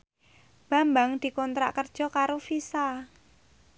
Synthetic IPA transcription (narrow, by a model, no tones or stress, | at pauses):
b̥a̤mbaŋd̪̥i̤kɔnt̪ɾa̰ʔkərd̥ʒ̥ɔ̤kaɾofisa